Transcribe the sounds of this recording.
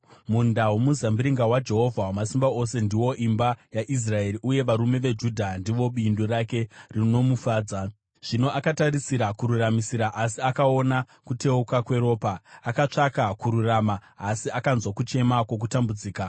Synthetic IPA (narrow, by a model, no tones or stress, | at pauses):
mundaweomuzambiɾiŋɡawad͡ʒe̞ɦo̞vʱawamasimbao̞se̞ndiwo̞ʔimbajaʔis̬rae̞ɾiʔuje̞ʋaɾume̞ʋe̞d͡ʒudʱandiʋo̞ɓindoɾake̞rino̞mufaːd͡za | ʐ̥ino̞ʔakataɾisiɾakuɾuramisiɾaʔasiakao̞na | kute̞ukakwe̞ɾo̞ːpaːkat͡ʂakakuɾuramaː | siakanzwakut͡ʃe̞makwo̞k̬utambud͡ziːka